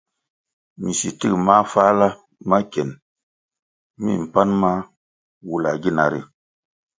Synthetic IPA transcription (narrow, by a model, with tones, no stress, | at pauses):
mi˨si˨ti˦kma˦fa˦la˦ | ma˦kɛ˨n | mḭ˦˨m̩˨pa˦nma˦ | wu˦la˨ɡi˦na˨ɾḭ˨